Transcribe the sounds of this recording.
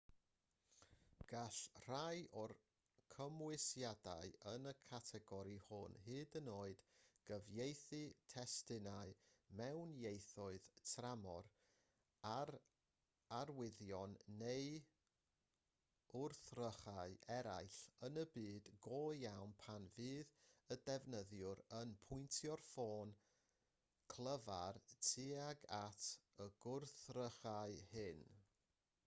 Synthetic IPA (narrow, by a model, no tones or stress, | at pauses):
ɡ̥aɬr̥ajʔɔr | kʰəmwɪsjada̰ɨənəkʰatʰɛɡɔɾihʊnhɨːdənoːɨd̥ɡ̥əvjejθɨtʰɛstɪnaɨmɛwnjejθʊɨðtʰramɔr | aɾ | arwɪðjɔnːej | ʊrθrəχaɨʔɛɾa̰jɬənəbɨːdɡoːjawnpʰanvɨːðədɛvnəðjʊɾənpʰʊɨntʰjɔrfoːn | kʰl̥ˠəvartʰiaɡatʰəɡ̥ʊrθrəχaɨhɨn